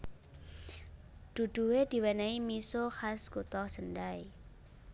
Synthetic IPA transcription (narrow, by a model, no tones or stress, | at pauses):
d̪̥ṳd̪̥ṳwed̪̥i̤wɛnaimisoxasɡ̥ut̪ɔhsəndaj